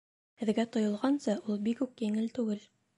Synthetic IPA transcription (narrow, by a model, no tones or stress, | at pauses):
hɘ̆ðɡæt̪ŏjŏlˠʁɑnsɤʔulˠbikʉkjɘ̆ŋɘlt̪ʉɡɘl